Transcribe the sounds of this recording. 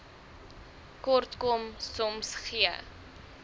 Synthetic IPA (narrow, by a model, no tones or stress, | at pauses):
kɔrtkomsɔmsχiə̰